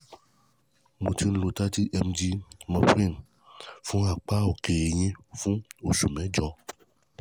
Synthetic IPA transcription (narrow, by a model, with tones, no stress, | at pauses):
mũ˨ti˦n̩˦lo˨t̪a˦t̪i˦ʔɛ˨md͡ʒi˦mɔ̃˨fɾĩ˦˨n | fũ˦a˨k͡pa˦o˨ke˨e˨ɲẽ˦˨fũ˦o˨su˨mɛ̃˨˦d͡ʒɔ˨˦